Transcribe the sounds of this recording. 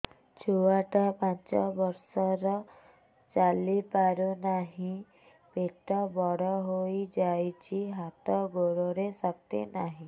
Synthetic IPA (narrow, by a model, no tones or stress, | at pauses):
t͡ʃʰuwaʈapant͡ʃɔbɔɾsɔɾɔ | t͡ʃalipaɾonaɦĩ | peʈɔbɔɽɔɦojd͡ʒajt͡ʃʰiɦat̪ɔɡoɽɔɾesɔk̚t̪ḛnaɦĩ